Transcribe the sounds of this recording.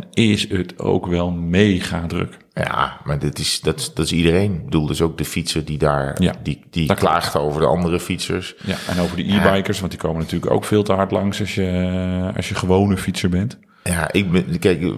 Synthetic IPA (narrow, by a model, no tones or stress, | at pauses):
nɪsətʰo̰wkʋɛlˠmejχaːdrø̰k | ja̰maɹdɪtɪsdɑtsd̥ɑtɪsidərejnbəduːlˠdəsowk̚dəfitsəɹdidaːɹjadid̥iklaːχtowvəɹdəʔɑ̰ndərəfitsə̰ɹsja̰ɛ̰nowvəɹdə̰ʔiɹbɛjkəɹsʋɑntdikoːmənatyːləko̰wkfɪːlˠtəɦɑɹtlɑŋsɑsjəɑ̰sjəχəʋownəfitsəɹbɛnt | jaːʔɪk̚bkɛjk